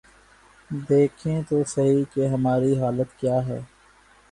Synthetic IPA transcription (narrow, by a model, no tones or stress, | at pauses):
d̪eːkʰẽt̪osɐɦikeɦɐmaːɾiɦaːlət̪kjaːɦɛ̰ː